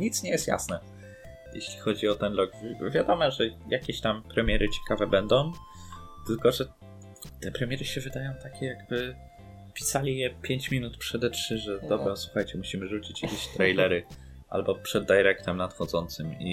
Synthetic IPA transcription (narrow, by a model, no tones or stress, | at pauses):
ɲit̪sɲɛjɛst̪ja̰snɛ | jḛɕlʲixɔd͡ʑiɔt̪ɛnlɔɡvvʲjad̪ɔmɔʐɛjʔakʲeɕt̪ampɾɛmʲjɛɾʔɘt͡ɕɛ̥kavɛbɛnd̪ɔ̃w̃ | t̪ɘlkɔʐɛ | t̪ɛpɾɛmʲjɛɾɘɕɛvɘd̪ajɔ̃w̃t̪akʲɛjaɡ̚bɘ | pʲi̥salʲijɛpʲjeɲt͡ɕmʲinut̪pʂɛd̪ɛtʂɘʐɛd̪ɔbɾɛɔswuxajt͡ɕɛmuɕimɘʐut͡ɕit͡ɕjakʲeɕt̪ɾɛjlɛɾɘ | ʔa̰lbɔpʂɛd̪ːajɛɾɛkt̪ɛmnat̪xɔd̪zɔnt̪sɘmḭ